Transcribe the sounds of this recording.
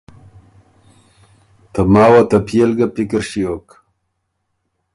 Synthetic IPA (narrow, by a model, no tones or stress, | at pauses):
t̪ɐmaːwat̪ɐpʰijelɡɐpikiɾɕijoːk